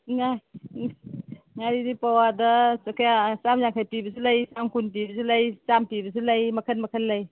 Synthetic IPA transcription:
ŋaj | ŋaɾinipawadɔsakʰajasamzaŋkʰajpibɐsulajsamkʰunpibɐsulajsampibɐsulajmɐkʰənmɐkʰənlaj

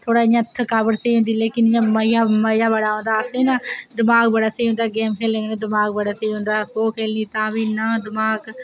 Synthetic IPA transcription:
t̪ʰoːɽaːɪjãːt̪ʰːəkabəɾseiːɦʊ̃nd̪iːleːkɪnɪjãːməɪjaːməjaːbəɽaːõːnd̪aːəsẽːnãːd̪ɪmaːɡ̚bəɽaːseːɦʊ̃nd̪aːɡeːmkʰeːlẽːɡnẽːd̪ɪmaːɡ̚bəɽaːseiɦõːnd̪aːhoːkʰeːlniːt̪ãːbiːnãːd̪ɪmaːɡ

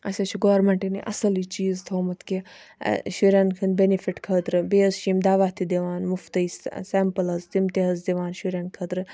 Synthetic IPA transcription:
ɐsʲet͡ʃʰuɡoːɾmeɳʈiniʔɐsɐlit͡ʃiːzt̪ʰoːmɐt̪kḭ | ʃuɾʲaːnkʰɨnbenifiʈkʰɐd̪ɾɨbeːzʃimd̪aːʋaːt̪ʰid̪iʋaːnmʊft̪ɐissempɐlɐzt̪imt̪iɦɐzd̪iʋaːnʃuɾʲjaːnkʰɐd̪ɾɨ

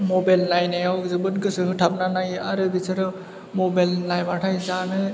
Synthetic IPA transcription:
mɔbajlnajnajawzɯbɯnkɯsɯɦɯʈʰap̚nanajaɾɯbit͡ʃʰaɾɔ | mɔbajlnajbaʈʰajzanɯ

